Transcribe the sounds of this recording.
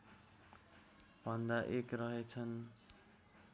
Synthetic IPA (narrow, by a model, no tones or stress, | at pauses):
bʱʌnd̪aʔekrʌɦet͡sʰʌn